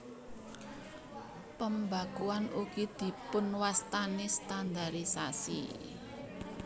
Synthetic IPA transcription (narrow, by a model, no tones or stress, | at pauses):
pəmbaɡ̥uanukid̪̥i̤pʊnwast̪anest̪and̪aɾisasḭ